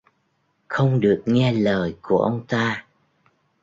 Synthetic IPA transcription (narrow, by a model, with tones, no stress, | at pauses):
xə˧wŋ͡mɗɨ˨˩ək̚ŋɛ˧ləː˨˩jku˧˩əʔə˧wŋ͡mt̪aː˧